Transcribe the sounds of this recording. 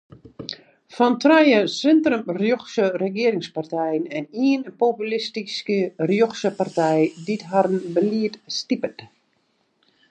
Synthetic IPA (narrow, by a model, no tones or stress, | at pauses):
fɔntrajəsɪntrəmrjoxsərəɡɪəɾɪŋspartɛjənɛniənpopylistiskərjoxsəpartɛjditɦaɾənbəliətstipət